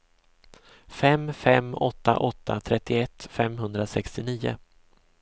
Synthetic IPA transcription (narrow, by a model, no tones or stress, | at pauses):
fɛmfɛmːɔt̪ːa̰ʔɔt̪ʰːa̰t̪ʰɾɛt̪ːɪɛt̪ːfɛmɦɵnd̪ɾasɛkst̪ɪniːʊ̰